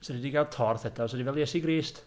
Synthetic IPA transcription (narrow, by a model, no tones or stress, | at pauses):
sɛdidiɡad̚tʰɔrθɛdɔsɔdivɛlˠjɛsiɡriːst